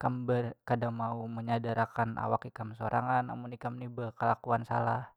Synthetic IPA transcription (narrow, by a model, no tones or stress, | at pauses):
kambərkadaŋmauməɲadaɾakanʔa̰wakikamsoɾʔa̰ŋanːa̰munikamnibəkəlakuansalah